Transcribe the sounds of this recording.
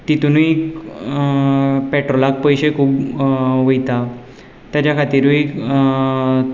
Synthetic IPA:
t̪it̪unui | pɛʈɾolak̚pəjɕekʰuːbʋəjt̪a | t̪jat͡ɕakʰat̪iːɾui

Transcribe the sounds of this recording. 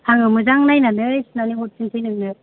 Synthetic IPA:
tʰaŋɯmɯzaŋnajnanɯsɯnaniut̚sʰintʰɯjnɯŋnɯ

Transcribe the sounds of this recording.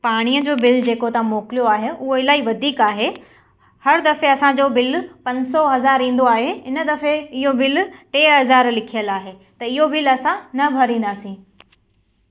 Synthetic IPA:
paːɽ̃iːəd͡ʑoːbɪld͡ʑeːkot̪ãmoːkɪlijoaːɦeʊɦoɪlaːiʋɐd̪ʱiːkaːɦe | hɐɾd̪ɐfeɐsãd͡ʑoːbɪlpɐ̃ɲsɔɦɐzaːɾĩːn̆d̪oaːɦeɪnə̆d̪ɐfeɪɦobɪlʈeːɦɐzaːɾlɪkʰijəlaːɦeː | t̪ɐɪɦobɪlɐsãnɐbʱɐɾĩːn̆d̪aːsĩː

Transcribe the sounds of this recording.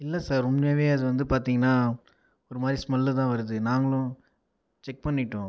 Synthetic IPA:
ɪlːɐsaːɾʊmnɐːʋeːɐðɯʋɐnd̪ɯpaːɾt̪iːŋɡɐnːaː | ɔɾɯmaːd̪ɾismɐlːɯt̪ãːʋɐɾɯðɯnaːŋɡɐɭʊ̃ | t͡ʃɛk̚pɐɳːɪʈːõː

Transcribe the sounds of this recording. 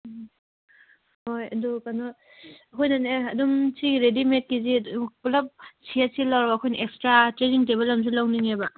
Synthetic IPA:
hojɐdukanɔ | ɐkʰojnaneɐdumsiɡɾedimet̚kizikulap̚sʰiasilawɾbaɐkʰojnɐʔekstɾatɾeniŋteβelːams̬ulawniŋeba

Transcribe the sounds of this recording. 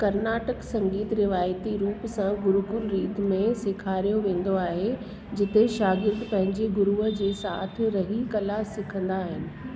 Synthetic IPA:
kɐɾnaːʈəksɐ̃ŋɡiːt̪ɾɪʋaːjt̪iɾuːpsãɡʊɾʊɡʊɾɾiːt̪mẽsɪkʰaːɾijoʋẽːn̆d̪oaːɦe | d͡ʑɪt̪eʃaːɡɪɾd̪pɐ̃ɦɪ̃ɲd͡ʑeɡʊɾuːəd͡ʑeːsaːt̪ʰɪ̆ɾɐɦikɐlaːsɪkʰə̃nd̪aːɦɪnɪ̆

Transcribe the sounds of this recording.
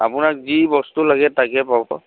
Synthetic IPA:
a̰pʊnak̚zibɔstulaɡɛtakɛpabɔ̰

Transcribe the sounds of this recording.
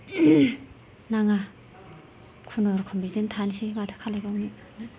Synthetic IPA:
naŋa | kʰunɔɾkʰɔmbizentʰansimatʰɯ̥kʰalajbawni | ni

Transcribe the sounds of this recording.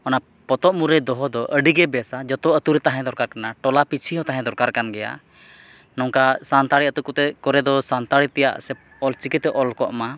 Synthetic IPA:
ɔna | pɔt̪ɔʔmuɾɛd̪ɔɦɔd̪ɔʔəɖiɡɛbɛsad͡ʒɔt̪ɔət̪uɾɛt̪aɦɛ̃d̪ɔɾkaɾkanaʈɔlapit͡ʃʰiɦɔ̃t̪aɦɛ̃d̪ɔɾkaɾkanɡɛja̰ | nɔŋkasant̪aɽiət̪ukut̪ɛkɔɾɛd̪ɔsant̪aɽit̪ɛja̰ʔsɛ | ɔlt͡ʃikit̪ɛʔɔlkɔʔma

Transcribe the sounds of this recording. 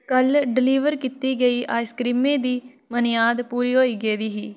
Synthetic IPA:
kəlɖɪliːʋəɾkit̪iːɡəiːʔaːskɾiːmẽːd̪iː | mənjaːd̪puːɾiːɦoːiːɡeːd̪iːɦiː

